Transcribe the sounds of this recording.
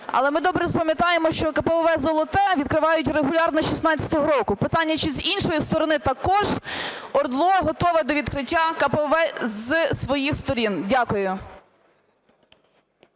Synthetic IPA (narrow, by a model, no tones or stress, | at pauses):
ɐ̰lˠɛmɪd̪ɔbɾɛzpɐmʲjɐt̪ɑjemɔʃt͡ʃɔkɐpɛɔʋɛzɔlˠɔt̪ɛʋʲid̪kɾɪʋɑjʊtʲreɦʊlʲɑrnɔʃisnɑt͡sʲɐ̥t̪ɔɦɔɾɔkʊpɪt̪ɑnʲːɐt͡ʃizinʃɔjist̪ɔɾɔnɪt̪ɐkɔʒɔrd̪lˠɔɦɔt̪ɔʋɛd̪ɔʋʲid̪kɾɪtʲːakɐpɛʋɛzsʋɔjixst̪ɔɾʲindʲakʊjʊ